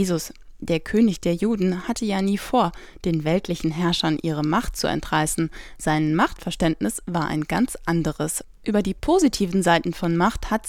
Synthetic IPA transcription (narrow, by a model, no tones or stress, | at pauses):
zʊsd̥eːɐkʰøːnɪçd̥eːɐjuːdn̩hatʰəjaːniːfoːɐ | d̥eːnvɛltʰlɪçn̩ɦɛɐʃɐnʔiːʁ̞əmaχt̚t͡sṵɛ̰ntʁ̥aɪsn̩z̥aɪnmaχtfɛɐʃtɛntnɪsv̥aːɐʔa̰ɪnɡant͡sʔandəʁəs | ʔyːbɐdiːpʰoːzitʰiːvn̩zaɪtn̩fɔnmaχthat